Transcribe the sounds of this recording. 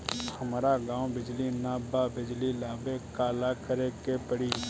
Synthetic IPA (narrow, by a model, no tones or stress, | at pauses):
hɐmɾaɡãːwbɪd͡ʒlinaːbabɪd͡ʒlilaːbekaːlakəɾekepəɽi